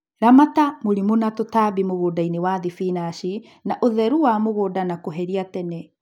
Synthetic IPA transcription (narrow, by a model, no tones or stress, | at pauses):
ɾamatamoɾimonatotabimoɣoːdainewaðifinaʃi | naʔoðɛɾuwamoɣoːdanakoɦɛɾiatɛnɛ